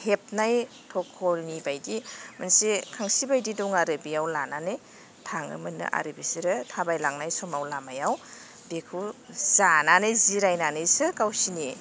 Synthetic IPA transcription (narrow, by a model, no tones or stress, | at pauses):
hep̚naj | tʰɔkʰːɔnibajdimansikʰaŋsibajdiduŋaɾɯbiawlananɯj | tʰaŋɯ̰mɯnɯ̰ʔa̰ɾɯbisiɾɯtʰabajlaŋnajsɔmawlamajaw | bekʰuz̥ananɯjziɾajnanɯjsɯkawsini